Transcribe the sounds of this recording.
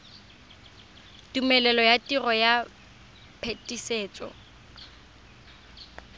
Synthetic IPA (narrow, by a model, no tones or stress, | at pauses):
tumɛlɛlɔjatʼirɔja | pʰetʼiseːt͡sʼɔ̰